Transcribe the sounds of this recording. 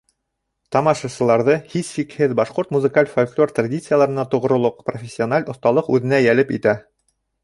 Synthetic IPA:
t̪ɑmɑʃɑsɤ̆lˠɑɾðɤhishikhɘðbɑʃqoɾt̪muzɨkalʲfolʲklʲo̞rt̪radʲit̪sɨjəlˠɑɾɤ̆nɑt̪ŏʁ̆ɾŏlˠoqprofʲesʲːionalʲŏθt̪ɑlˠɤqʉðɘ̆næjælɘpḭt̪æ

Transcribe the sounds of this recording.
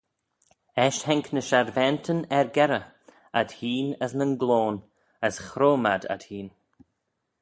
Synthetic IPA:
ɛʃhɛŋknəʃaɾvɛntʰənɛɹɡɛɾə | ad̥hiːnəsnənɡloːn | əsxɾoːma̰da̰d̪hiːn

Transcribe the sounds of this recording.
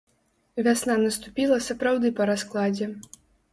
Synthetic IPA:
vʲasnanɐst̪upʲilˠɐsɐpɾawd̪ɨpɐɾasklˠad͡zʲɛ

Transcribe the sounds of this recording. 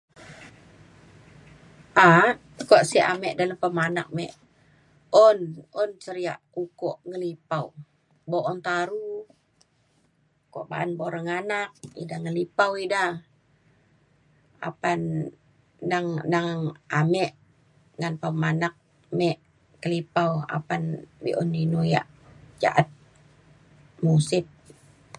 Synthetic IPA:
ʔa | koʔsiʔa̰mɛʔdaləmpəmanak̚mɛ̰ʔ | ɔnɔnsəɾia̰ʔukɔʔŋəlipaw | boʔɔnt̪aɾu | ko̰ʔba̰ʔanboɾaŋanak̚idaŋəlipawida | a̰panː | aŋnaŋamɛʔ | ŋanpamanak̚ | mɛʔ | kəlipawa̰panbḭʔɔndinuja̰ʔ | d͡ʒa̰ʔat̪̚ | musɪt̪̚

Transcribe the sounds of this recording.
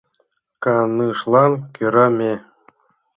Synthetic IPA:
kɑnɯʂlˠɑnkʲyɾɑmʲe

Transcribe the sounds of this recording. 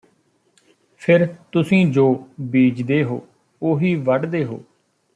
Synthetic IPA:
pʰɪɾt̪ʊsĩːd͡ʒoːbiːd͡ʒd̪eːɦo̰ː | oːɦiːʋəɖd̪eːɦo̰ː

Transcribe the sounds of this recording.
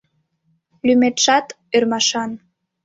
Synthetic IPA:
lymet̪ʃɑt̪ | ørmɑʃɑn

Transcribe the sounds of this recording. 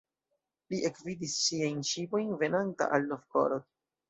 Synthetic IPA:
liʔekvidisːiajnʃipo̞jnve̞nanta̰ʔalːofko̰ɾod

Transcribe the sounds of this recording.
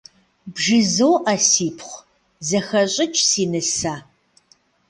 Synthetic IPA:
bʒɨzɐwʔɐsiːpʰχʷ | zɐxɐɕʼɪt͡ʃʼsiːnɨsaː

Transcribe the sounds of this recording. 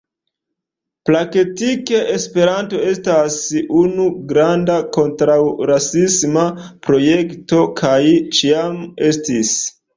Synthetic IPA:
plaketikeʔespe̞ɾanto̞e̞stasunuɡɾandako̞ntɾawɾasismapɾo̞je̞kto̞kʰajt͡ʃiame̞stis

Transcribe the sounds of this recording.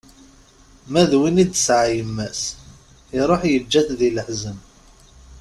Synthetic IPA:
mæðwinid̪sʕajəmːæs | iɾˤoħjəd͡ʒːæθðiləħzəm

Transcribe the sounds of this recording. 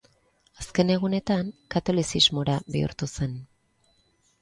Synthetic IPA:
aske̞ne̞ɣ̞une̞t̪aŋkat̪o̞lisizmo̞ɾaβḭṵɾt̪use̞n

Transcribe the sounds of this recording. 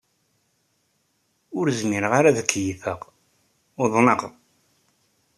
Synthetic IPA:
ʊɾzmiɾʁaɾaðəkʰːjifəq | ʊðˤnəqð

